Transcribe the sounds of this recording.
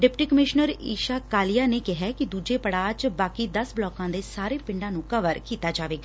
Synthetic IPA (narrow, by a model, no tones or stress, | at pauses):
ɖɪpʈiːkəmɪʃnəɾḭːʃaːkaːlɪjaːneːkɪɦɛːkɪd̪uːd͡ʒeːpəɽaːd͡ʒbaːkiːd̪əsblɔːkãːd̪eːsaːɾeːpɪ̃ɳɖãːnũːkəʋəɾkiːt̪aːd͡ʒaːʋeːɡaː